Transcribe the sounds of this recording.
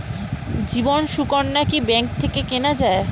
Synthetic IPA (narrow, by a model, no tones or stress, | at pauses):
d͡ʑibonʃukonːakibɛŋk̚t̪ʰekekenad͡ʑae